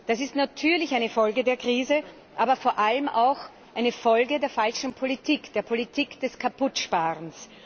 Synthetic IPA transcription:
d̥asɪstnatʰyːɐlɪçaɪnəfɔlɡədeːɐkʁ̥iːzə | ʔaːbɐfoːɐʔaləmʔaʊx | ʔʔaɪnəfɔlɡədeːɐfalʃn̩pʰolitʰiːkd̥eːɐpʰolitʰiːkd̥ɛskʰapʊtʃpaːʁəns

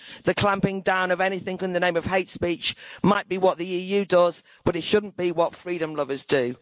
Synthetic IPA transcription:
ðəkʰl̥ãmpɪ̃ŋdãʊ̃nəvɛnɪθɪ̃ŋkɪ̃nðənẽɪ̃məv̥ɦeɪtspiˑt͡ʃmaɪʔb̥iwɒʔðiiːjʉːdʌz̥ | b̥ʌɾɪtʃʊdⁿn̩b̥iwɒtfɹiːɾə̃mlʊvəzdə

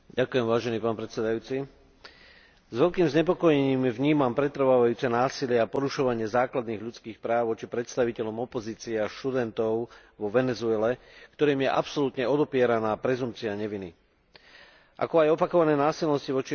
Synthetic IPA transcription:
ɟakujɛmʋaːʒɛniːpaːnpɾɛt̪t͡sɛd̪ajuːt͡si | zʋɛʎkiːmzɲɛp̬ɔkɔjɛɲiːmvɲiːmampɾɛt̪ɾ̩ʋaːʋajuːt͡sɛnaːsilɪɛapɔɾuʃɔʋaɲɪɛzaːklad̪niːɣʎutt͡skiːxpɾaːʊʋɔt͡ʃipɾɛt̪st̪aʋicɛʎɔmɔpɔziːt͡siɛaʃt̪ud̪ɛnt̪ɔʊʋɔʋɛnɛzuɛlɛ | kt̪ɔɾiːmjɛʔa̰psɔlut̪ɲɛɔd̪ɔpɪɛɾanaːpɾɛzumpt͡siaɲɛʋini | ʔa̰kɔajɔpakɔʋanɛːnaːsilnɔsciʋɔt͡ʃi

